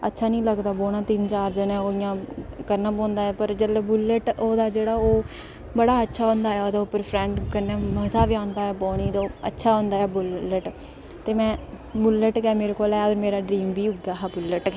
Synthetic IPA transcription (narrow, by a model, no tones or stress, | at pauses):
ə̰tːʃʰaːnĩːləɡd̪aːboːnãːt̪ɪnt͡ʃaːɾd͡ʒənɛ̃ːoːɪjãːkəɾnãːpõːnd̪aːɛːpəɾd͡ʒəlebʊlːəʈoːd̪aːd͡ʒeːɽaːoː | bəɽaːətːʃʰaːõnd̪aːɛːoːd̪aːʊpːəɾpʰɾɛ̃ːɳɖkəɾnɛːməzaːʋiãːnd̪aːɛːpoːniːd̪oːə̰tːʃʰaːɦõːnd̪aːɛːbʊlːəʈ | t̪eːmɛ̃ː | bʊlːəʈkɛːmeːɾeːkoːlɛːoːɾmeːɾaːɖɾiːmbiːʊɡaːɦbʊlːəʈː